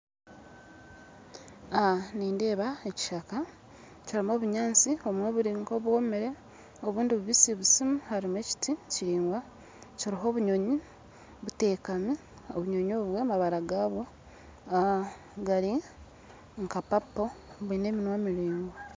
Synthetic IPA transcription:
aniːnde̞ːβaeci̥ʃaka | caɾimo̞ːβuɲaːnt͡sio̞mweβuɾiːŋkoβwo̞meɾe̞ | o̞βuːndiβuβisiβusimuhaɾime̞ci̥tʰiciɾiːŋɡwa | coɾiɦo̞ːβuɲo̞ɲi | βute̞ːkami | o̰βuɲo̞ɲo̞ːβwe̞maβaɾaɡaːβwo̞ | a | ɡaɾi | ŋkapapːo̞βuine̞ːminwamiɾiːŋɡo

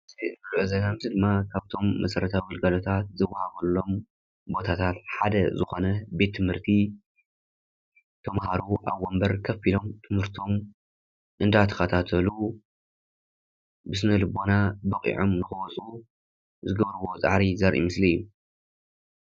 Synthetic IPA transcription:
ɨzizɨbɨluʔɨzɐnamzid̪ɨmːakʰaβt̪ʰo̞mːɐ̰sɐɾɐt̪ʰaɔlɡalo̞t̪ʰat̪̚zɐwːahaβɐlːo̞m | bo̞t̪ʰat̪ʰat̪ħad̪ɐzɨxo̞nɐbe̞t̪ʰːɨmhɨɾt̪ʰi | t̪ʰɐmhaɾuʔa̰βːombɐɾkʰɐfilo̞mt̪ʰɨmhɨɾt̪ʰo̞m | ʔɨnd̪at̪ʰɐ̥xɐt̪ʰat̪ʰɐlu | bɨsɨnɐlɨbo̞nabɐkʼḭʕomnɨxɨwɔt͡sʼu | zɨɡɐβɾɨβo̞t͡sʼa̰ħɾizɐɾʔḭmɨsliju

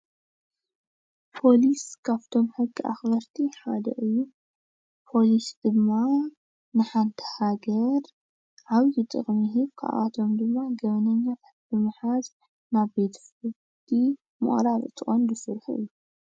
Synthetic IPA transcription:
pʰo̞liskʰaβt̪ʰo̞mħɨɡːiʔa̰xbɐɾt̪ʰiħad̪ɐ̰ʔɨjːu | pʰo̞lisd̪̥ɨmːa | nɨħant̪ʰɐ̥haɡɐɾ | ʕaβjɨt̪ʼɨ̰χʼmiɦɨβkʰa̰ʔa̰t̪ʰo̞md̪ɨmːaɡɐβɐnɐɲːat̪ʰat̪̚bɨmɨħaz | naβbe̞t̪ʰfɨ | t̪ʰi | mɨ̰χʼɾaɾɨt̪ʰːɨχʼond̪ɨsɨɾħʔɨ̰jːu

